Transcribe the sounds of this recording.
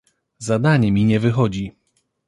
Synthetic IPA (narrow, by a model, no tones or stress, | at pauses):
zad̪aɲɛmʲiɲɛvɘxɔd͡ʑi